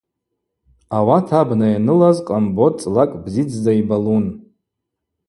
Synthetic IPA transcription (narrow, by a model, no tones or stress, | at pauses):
awatʰabnajanɨlazqʼambot͡sʼlakʼbzid͡zʰdaibalun